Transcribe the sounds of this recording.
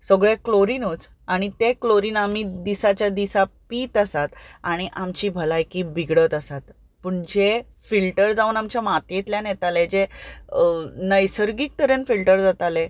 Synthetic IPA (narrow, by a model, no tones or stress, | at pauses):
səɡɭekloɾinot͡s | aɽ̃it̪ekloɾiːnamid̪isat͡ɕjad̪isapiːt̪əsat̪aɽ̃iʔamt͡ɕiːbʱəlajkiːbiɡɽət̪əsat̪̚ | pəɳd͡ʑe | filʈəɾd͡zauːnamt͡ɕjamat̪jet̪ljanjɛt̪alɛd͡ʑe | nəjsəɾɡik̚t̪əɾənfilʈəɾd͡zat̪ale